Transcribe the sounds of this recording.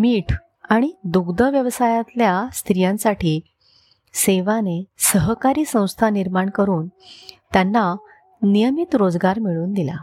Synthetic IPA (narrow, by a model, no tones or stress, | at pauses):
miːʈʰ | aɽ̃id̪uɡd̪əʋjəʋsajat̪ljast̪ɾijãnsaʈʰiː | seʋanesəɦkaɾiːsə̃w̃st̪ʰaniɾmaɳkəɾuːnt̪janːa | nijəmit̪ɾod͡zɡaɾmiɭuːnd̪ila̰